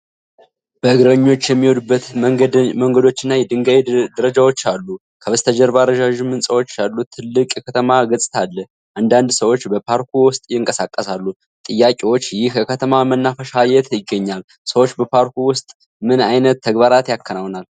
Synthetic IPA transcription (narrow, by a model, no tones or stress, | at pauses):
b̥əɨɡɾəɲːo̞t͡ʃːjɛmːiwod̪ubːət̪məŋɡəd̪o̞t͡ʃːɪnːajɛd̪ɨŋɡaid̪əɾəd͡ʒawo̞t͡ʃːalːu | kʰəβəst̪ʰəd͡ʒɛɾbaɾəd͡ʒaʒumːɨnsʼəwo̞t͡ʃːalːut̪ʰɨlːɨkʼjɛkʰət̪ʰəmaɡəsʼɨ̥t̪ʰalːə | ʔand̪and̪səwo̞t͡ʃːbəpʰaɾkʰuwʊst̪ʼjɪŋkʼəsakʼːəsalːu | t̪ʼɨjːakʼiwo̞t͡ʃːjɪhkʰəkʰət̪ʰəmamənːafəʃajɛt̪ʰjɪɡːəɲːal | səwo̞t͡ʃːbəpʰaɾkuwʊst̪ʼ | mɨnajnət̪ʰːəɡbaɾat̪jakʰːənawnal